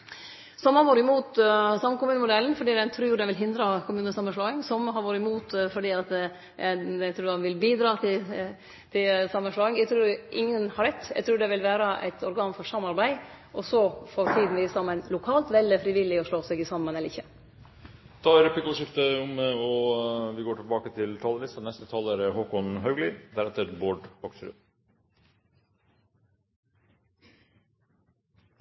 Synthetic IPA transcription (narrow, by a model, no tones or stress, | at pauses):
sɔmhɑʋoːɾɪmuːt̪sɑmːənkʊmʉːnəmʊd̪ɛlːən̩fɔɖiːɛnt̪ʰɾʉːd̪ɛnʋɪlɦɪnd̪ɾɑkʰʊmʉːnəsɑmːənʂɭɑːɪŋsɔmɦɑɾʋoːɾəɪmuːt̪fɔɖiːɑt̪ | ɛt̪ʰɾʉːɑnʋɪlbiːd̪ɾɑːt̪ʰɪ | t̪ʰɪlsɑmːənʂlɑːɪŋjæɡt̪ʰɾʉːɾʔɪŋːənhɑɾɛt̪ːæ̰ɡt̪ʰɾʉːɖɛʋɪlʋæːɾəʔæ̰ɪt̪ʰɔɾɡɑːnfɔʂɑmːɑɾbæɪʔɔsɔfɔɾt̪ʰiːd̪n̩ʋɪsɑmːənlʊkʰɑːlt̪ʋɛləfɾɪʋɪlːɪɔʂɭoːsɛɡɪsɑmənɛləɾɪçːə | t̪ʰɑæɾpɪkʊʂɪft̪əʊmɔʋɪɡoːʈʰɪlbɑːkət̪ʰɪlt̪ʰɑːləʋɪst̪ɑnɛst̪ət̪ʰɑːləɾhoːkɔnɦɑʉɡlɪd̪æɾɛt̪ːəɾboːɖfɑkfɾʏ̰